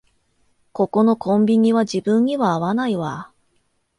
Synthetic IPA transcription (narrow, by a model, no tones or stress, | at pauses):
ko̞ko̞no̞kʰõ̞mbʲiɲ̟iβad͡ʑibɯ̃ɲɲ̟iβaːβanaiβa